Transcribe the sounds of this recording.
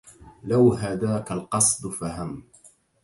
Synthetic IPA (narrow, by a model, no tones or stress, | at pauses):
lawɦaðaːkalqɑsˤd̪ˤfaɦam